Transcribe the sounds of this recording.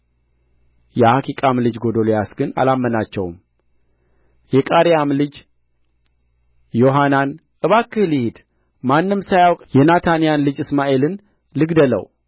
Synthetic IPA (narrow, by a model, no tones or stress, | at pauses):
jɛhakʰikʼamlɨd͡ʒɡo̞d̪olojasɡɨna̰lamːənat͡ʃːɛwm | jɛkʼaɾijamlɨd͡ʒ | jo̞ɦanan | ʔɨβakːɨhɨlihid̪̥ | manːɨmsajawkʼjɛnat̪ʰanijanlɨd͡ʒɨsmaʔe̞lɨn | lɨɡd̪ələ̰w